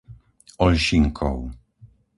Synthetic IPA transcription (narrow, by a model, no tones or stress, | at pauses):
ɔlɕiŋkʰɔ̰w